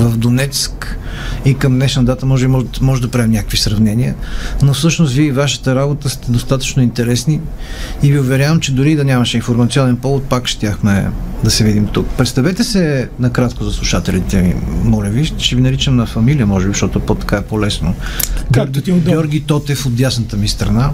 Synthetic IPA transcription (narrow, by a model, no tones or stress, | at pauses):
vɐvd̪onɛt̪skikɐmd̪nɛʃnɐd̪at̪əmɔʒɛbimɔʒmɔʒɛd̪ɐpɾaɛmnʲakə̥kvisɾɐvnɛniənofsɤʃnost̪viəivaʃə̥t̪əɾabot̪əst̪ɛd̪ost̪at̪ə̥t͡ʃnoint̪ɛɾɛsniː | viʊvɛɾʲjavəmt͡ʃɛd̪ʊɾid̪ɐnʲamɐʃɛinfoɾmɐt̪siɔnɛnpɔvot̪̚pakʃt̪ʲjaxmɛd̪ɐsɛvid̪imt̪ukpɾɛt̪st̪ɐvɛt̪ɛsɛnɐkɾat̪kozɐslˠuʃat̪ɛlit̪ɛmḭmɔlʲɛviʃt̪ʃt͡ʃɛvinɐɾit͡ʃəmnɐfɐmilijəmɔʒɛbiʃt̪ɔt̪ʊɛpot̪ɐ̥kaɛpolɛsnoɡɾɡɡʲɔɾɡʲit̪ɔt̪ɛfot̪d̪jasnət̪əmist̪ɾɐna